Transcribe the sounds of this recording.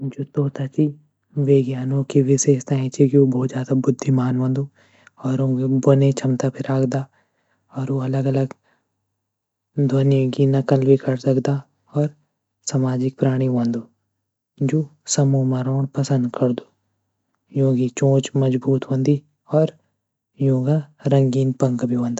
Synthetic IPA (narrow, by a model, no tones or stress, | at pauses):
d͡ʒoːt̪oːt̪at͡ʃi | ʋeːɡjaːnõkiʋɪʃeːʃt̪aːĩt͡ʃʰikioboːt̪zjaːd̪abʊd̪ʱːimaːnʋɐ̃ːnd̪oː | ɔːɾõːɡebɐnet͡ʃʰɐmt̪apʰɪɾaːkʰd̪a | ɔːɾoɐləɡɐləɡ | d̪ʱɐnjekinɐkəlbikɐɾsɐkd̪a | ɔːɾ | samaːd͡ʒɪk̚pɾaːɽ̃iʋɐ̃ːnd̪oː | d͡ʒoːsɐmoːmaɾoːɽpɐsə̃nd̪kɐɾd̪o̥ː | jõːkit͡ʃõːt͡ʃmɐd͡ʒbuːt̪ɦõːnd̪i | ɔːɾ | jõːɡaɾɐ̃ŋɡiːnpɐ̃ŋkbʱiʋɐ̃ːnd̪a